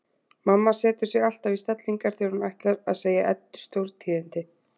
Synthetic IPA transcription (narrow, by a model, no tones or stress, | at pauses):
mamːasɛːt̪ʏɾ̥sɛɣal̥t̪avist̪at̪liŋkaɾ̥θowɾʏmajht̪laɾaðseːjaʔɛt̪ːʏ̥st̪owɾt̪ʰiːðɪnt̪ɪ